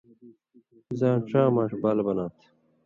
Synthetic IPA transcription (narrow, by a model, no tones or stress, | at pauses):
zãːʈ͡ʂãːmaːʂbalbɐnãːt̪ʰ